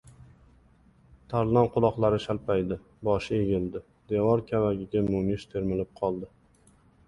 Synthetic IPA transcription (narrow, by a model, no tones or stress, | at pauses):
t̪ʰaɾlɒnqʰʊlˠɒqlˠaɾɪʃalpajd̪ɪ | bɒʃɪeɡʲɪld̪ɪ | d̪evɒɾkʲʰavaɡʲɪɡʲamʊmɪʃt̪ʰe̞ɾmɪlɪp̚qʰɒlˠd̪ɪ